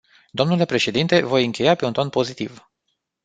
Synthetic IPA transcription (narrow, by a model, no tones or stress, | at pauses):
d̪o̞mnule̞pɾe̞ʃe̞d̪int̪e̞vo̞jɨŋkʲe̞jape̞unt̪onpo̞zit̪iv